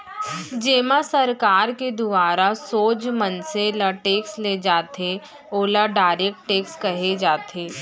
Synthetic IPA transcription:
d͡ʒeːmasɐɾkaːɾked̪ʊʋaːɾasoːd͡ʒmənselaʈeːksled͡ʒaːt̪e | oːlaɖaːɾek̚ʈʈeːkskɐɦed͡ʒaːt̪ʰeː

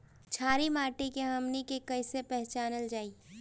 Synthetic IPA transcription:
t͡ʃʰaːɾimaːʈikeɦɐmnikekɐɪsepɛɦt͡ʃaːnəld͡ʒaːiː

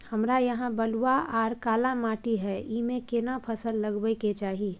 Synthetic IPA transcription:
həmɾajɐɦãbəluwaʔaːɾkaːlamaːʈiɦɛimẽkenapʰəsəlːəɡbəiket͡ʃaːɦie

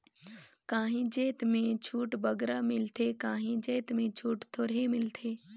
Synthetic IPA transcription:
kãːɦĩd͡ʒeːt̪mẽt͡ʃʰuːʈbəɡɾamɪlt̪ʰekaːɦĩd͡ʒeːt̪mẽt͡ʃʰuːʈt̪ʰoːɾemɪlt̪ʰeː

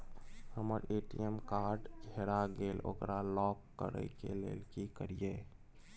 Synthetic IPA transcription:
həməɾeʈiemkaɾɖɡʱeɾaɡelo̰kɾalɔkːə̰ɾə̰jkḛlḛlkikəɾije

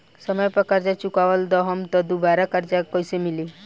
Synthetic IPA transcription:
səməjpɔkaɾd͡ʒat͡ʃukaʋəld̪ɔɦɔmt̪ɔd̪ubaɾakaɾd͡ʒakɔjsemili

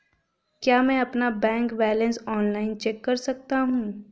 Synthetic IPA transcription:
kjaːmɛ̃ɐpnabɛ̃ːŋkbɛːlə̃nsɔːnlaːɪnt͡ʃɛːkːɐɾsɐk̚t̪aɦũː

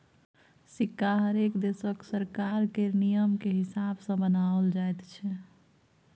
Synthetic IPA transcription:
sikːaɦəɾekd̪esəksəɾkaɾkenijəmkeɦisabsə̃bənaəld͡ʒajt̪t͡ʃʰɛ

